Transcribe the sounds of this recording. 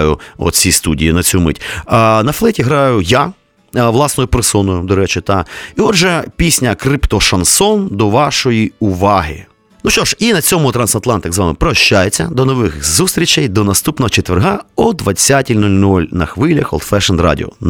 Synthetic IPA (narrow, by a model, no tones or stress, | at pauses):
jʊɔ̰t̪t͡sʲist̪udʲijinɐt͡sʲumɪ̰tʲːnɐflˠɛtʲiɦɾɑjʊja | ʋlˠɑsnɔjʊpɾɪsɔnʊjʊd̪ɔɾɛt͡ʃɪt̪ɑiɔd̪ʒɛpʲisʲnʲɐkɾɪpt̪ɔʃɐnsɔnd̪ɔʋɑʃɔjiʊʋɑɦɪ̰ | nuʃt͡ʃɔʃinɐt͡sʲɔmʊt̪ɾɐnsɐt̪lˠɑnt̪ɪɡzʋɑmɪpɾɔʃt͡ʃːajet͡sʲːɐd̪ɔnɔʋɪxzust̪ɾʲit͡ʃɛjd̪ɔnɐst̪upnɔɦɔt͡ʃet̪ʋerɦaɔd̪ʋɐt͡sʲːatʲilʲnulʲnulʲnɐ̰xʋɪlʲɐxɔ̰lˠd̪fɛʃɛnrɑ̰dʲɪ̰ɔ̰